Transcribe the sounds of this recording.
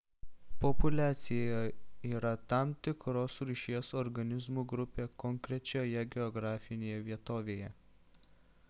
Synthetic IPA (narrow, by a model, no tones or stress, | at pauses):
pɔpʊlʲæːt̪sʲɪjoːjoiːɾɐt̪ɑmt̪ʲɪkɾoːsɾʲuʃʲiɛsɔɾɡɐnʲɪzmuːɡɾʊpʲeːkɔŋkɾʲɛt͡ʃʲoːjɛɡʲɛɔɡɾɑːfʲɪnʲeːjɛʋʲiɛt̪oːʋʲeːjɛ